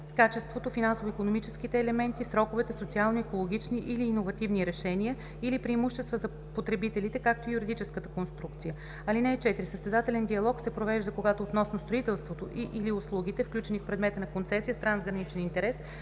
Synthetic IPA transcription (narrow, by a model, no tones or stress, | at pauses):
kat͡ʃɛst̪vot̪ofinansovoikonomit͡ʃɛsk̟it̪ɛːlɛmɛnt̪isɾɔkovɛt̪ɛsot̪sialˠnoɛkolˠoɡ̟ʲit͡ʃniʔiliːnovɐt̪ivniɾɛʃɛniə | ilipɾiːmuʃt̪ɛst̪vəzɐ | pot̪ɾɛbit̪ɛlit̪ɛkak̚t̪oijuɾid̪it͡ʃɛskət̪ə̥konst̪ɾuk̚t̪sijə | ɐlinɛɛt͡ʃɛt̪ɾisəst̪ɛzat̪ɛlɛnd̪iɐlˠɔksɛpɾovɛʒd̪əkoɡat̪oːt̪nɔsnost̪ɾoit̪ɛlˠst̪vot̪oʔiʔiliʊslˠuɡʲit̪ɛfklʲut͡ʃɛnifpɾɛd̪mɛt̪ənɐkont̪sɛsijəst̪ɾanzɡɾɐnit͡ʃɛnint̪ɛɾɛs